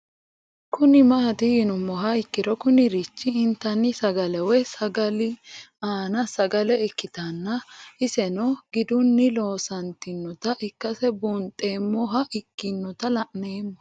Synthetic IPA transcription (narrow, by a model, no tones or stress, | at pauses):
kʊnɪmɐːt̪ɪjɪnʊmːɔɦɐɪkːɪd̪ɔkʊnɪɾɪt͡ʃːɪːnt̪ːɐnːɪsɐɡɐlɛwɛsɐɡɐlɪaːnɐsɐɡɐlɛɪkːɪt̪ɐnːɐɪsɛnɔɡɪd̪ʊnːɪlo̞ːsɐnt̪ɪnːɔt̪ɐʔɪkːɐsɛbuːnt̪ʼːe̞ːmːɔɦɐʔɪkːɪnːɔt̪ɐlɐʔneːmːɔ